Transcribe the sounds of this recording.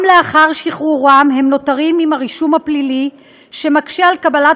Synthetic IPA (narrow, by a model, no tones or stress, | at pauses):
mleaχaʁʃiχuʁamɦe̞mno̞taʁimimaʁiʃumhaplili | ʃe̞makʃealkabala